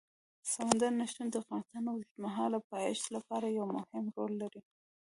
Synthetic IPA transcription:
samand̪aɾnaʃund̪əafɣɑnɪst̪ɑnawt̪maɦɑlapɑjɪʃlapɑɾajawmʊhɪmɾolːaɾi

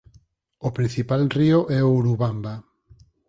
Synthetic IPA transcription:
opɾin̟θipalrioʔɛouɾuβamba

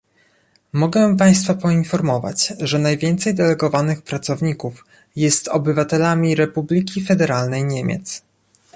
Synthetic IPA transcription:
mɔɡɛpaj̃st̪fapɔinfɔɾmɔva̰t͡ɕʐɛnajvʲjɛnt̪sɛjd̪ɛlɛɡɔvanɘxpɾat̪sɔvɲikuf | jɛst̪ɔbɘvat̪ɛlamʲiɾɛpublʲikʲifɛd̪ɛɾalnɛjɲemʲɛ̰t̪s

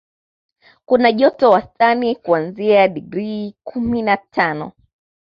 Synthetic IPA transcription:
kunaʄɔtɔwastanikuanziaɗiɡɾikʰuminatʰanɔ̰

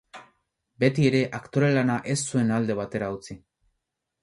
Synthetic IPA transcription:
be̞t̪ie̞ɾe̞ʔakt̪o̞ɾelanaʔe̞sːue̞nald̪e̞β̞at̪e̞ɾaut͡si

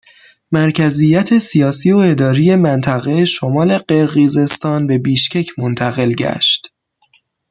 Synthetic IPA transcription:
mæɾcʰæzijæt̪ʰe̞sijɒːsiːoe̞d̪ɒːɾije̞mænt̪ʰæɣeʃomɒːle̞ɢe̞ɾɣize̞st̪ɒːnbe̞biːʃcecʰmont̪ʰæɣe̞lɟæ̰ʃt̪

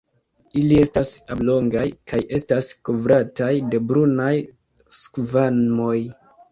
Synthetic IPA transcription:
ilie̞stasablo̞ŋɡajkajʔe̞staskovɾatajde̞bɾunaj | skvanmo̞j

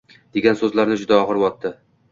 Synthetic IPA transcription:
d̪̥e̞ɡʲansɵzlaɾnɪd͡ʒʊd̪aɒʁɨɾwɒt̪ːɪ

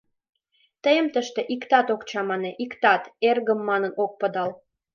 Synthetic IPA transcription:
t̪əjəmt̪əʃt̪eʔikt̪ɑt̪okt͡ɕɑmɑneʔikt̪ɑt̪erɣəmːɑnənok̚pə̆d̪ɑl

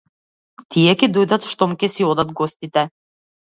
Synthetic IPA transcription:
t̪ijɛkid̪ujd̪ɑt̪ʃt̪omkʲesiod̪ɑt̪̚ɡosʲt̪it̪æ

